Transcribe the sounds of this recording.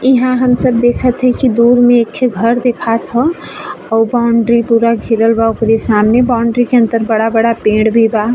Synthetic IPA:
ɪɦãɦəmsəb̚d̪eːkʰət̪ɦɛkid̪uːɾmẽeːkʰːeɡʱəɾd̪ekʰat̪ʰɦɔ̃ | ɔːbaːʊɳɖɾipuɾaɡʱiɾəlbaʊkɾesaːmnebaʊɳɖɾikeə̃nt̪əɾbəɽabəɽapẽːɽbʱiba

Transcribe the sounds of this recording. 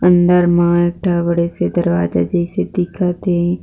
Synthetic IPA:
ə̃nd̪əɾmãeːk̚ʈʰabəɽesed̪əɾʋaːd͡ʒa̰d͡ʒəised̪ɪkʰat̪eɦɛ̃

